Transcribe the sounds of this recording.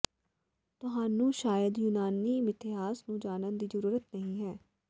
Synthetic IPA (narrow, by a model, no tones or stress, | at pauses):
t̪ʊɦaːnũːʃaːjəd̪juːnaːniːmɪt̪ɪɦaːsnũːd͡ʒaːnənd̪iːzəɾuːɾət̪nəɦĩːɦɛː